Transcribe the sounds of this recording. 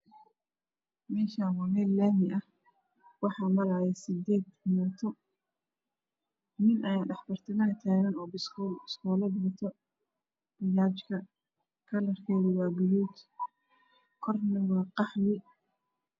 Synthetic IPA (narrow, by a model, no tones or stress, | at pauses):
mɛːʃaːwɑmɛːlːaːmɪʔɐh | wɑħɑːmɐɣɐjɛsɪd̪ɛːd̪ɪnaːt̪ʰɔ | nɪnʔɐjaːɖɑħbɐrt̪ʰɪnɐɐt̪ʰaːɣɐnɔːbɪsskʰɔːlɐbʊt̪ʰɔ | b̥ɪjaːt͡ʃkʰɐ | kʰɐlɐrkʰɛːðɪwɑːbʊjuːt̪ | kʰɔrnɐwɑːqɑħlɪ